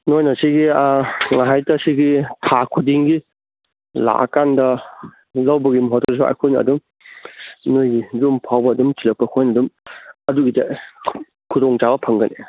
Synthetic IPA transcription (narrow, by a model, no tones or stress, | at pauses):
nojnasiɡiŋaɦajtɐsiɡitʰakʰudiŋɡi | la̰ʔkandɐ | lɐwbɐɡimuɦɔtʰɔs̬uɐ̰jkʰojnɐ̰dum | nojɡizumpʰawbɐːdumt͡ʃilɐk̚pɐkʰojnɐdumɐduɡide | kʰudɔŋd͡ʒabɐpʰɐŋɡɐnḛ